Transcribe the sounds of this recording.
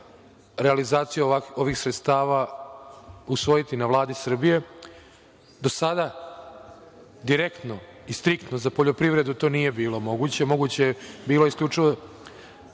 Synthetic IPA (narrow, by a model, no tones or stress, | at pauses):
ɾealizaːt̪sijeo̞ʋixsɾet̪st̪aːʋa | usʋojit̪inaʋlˠaːd̪isr̩bije̞ | d̪o̞sad̪a | d̪iɾe̞kt̪no̞ist̪ɾikt̪nozapoʎo̞pɾiʋɾe̞d̪ut̪o̞ːnije̞biːlo̞mo̞ɡut͡ɕe̞mo̞ɡut͡ɕebiːloeiskʎʲut͡ʂiʋo